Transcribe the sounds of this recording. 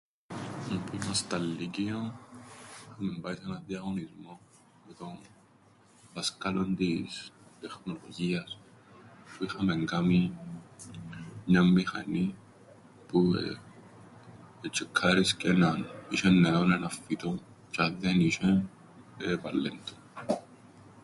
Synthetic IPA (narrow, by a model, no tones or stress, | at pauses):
puinast̪alːikion | ixɐmɛmbaisɐnɐðiaɣonizmo | mɛt̪o | paskalond̪ist̪ɛxnoloʝias | puixɐmeŋɡami | ɲamːixa̰ni | pṵ | t͡ʃːikʰːaɾiscenaniʃɛnːeonenafːit̪o | t͡ʃaðːeniʃɛ | epalːent̪u̥